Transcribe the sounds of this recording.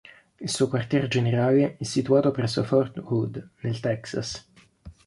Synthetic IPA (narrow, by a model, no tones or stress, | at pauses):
ilsuːokwart̪jɛɾd͡ʒeneɾaːleɛsːit̪uaːt̪opɾɛsːofɔrt̪wud̪nelt̪ɛksa̰s